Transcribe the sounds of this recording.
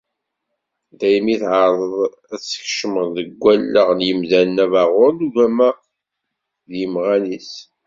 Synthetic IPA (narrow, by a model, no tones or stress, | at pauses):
d̪æjmiθʕəɾˤəðˤ | æt͡sːə̥çʃəməʁðəɡʷælːəʁnjəmðænnævaʁʊɾnuʝæmæ | ðjəmʁænis